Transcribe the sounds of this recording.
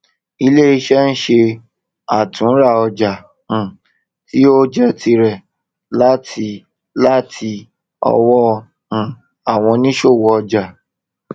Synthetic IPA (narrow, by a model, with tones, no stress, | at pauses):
i˧le˦i˧ʃɛ˦ñ̩˦ʃe˧ | a˨tũ˨˦ɾa˦˨ɔ˧d͡ʒã˨ | ti˦o˦d͡ʒɛ˦tʰi˧ɾɛ˨ | la˦tʰi˧ | la˦tʰi˧ | ɔ̰˧wɔ̃˦˧˨ | a˨w̃ɔ̃˧nĩ˦ʃo˦˨wɔ˨˧ɔ˧d͡ʒa˨